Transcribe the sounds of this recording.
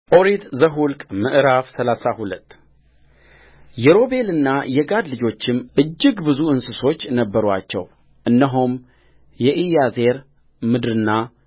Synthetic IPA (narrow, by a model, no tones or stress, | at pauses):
oɾit̪zəɦulkʼmɨʔɾafsəlasahulət̪ː | jɛɾo̞be̞lɨnːajɛɡad̪lɨd͡ʒo̞t͡ʃːɪmʔɨd͡ʒːɪɡbɨzuɨnsɨso̞t͡ʃːnəbːəɾwat͡ʃːɛ̰w | ʔɨnːəɦum | jɛʔijaze̞ɾ | mɨd̪ɾɨnːa